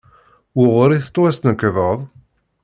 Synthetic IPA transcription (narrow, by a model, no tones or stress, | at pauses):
ʊʁɾiθə̥t̪ˤːwæst̪nəkːðˤəðˤ